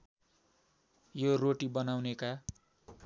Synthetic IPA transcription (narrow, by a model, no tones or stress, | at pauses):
joroʈibʌnawneka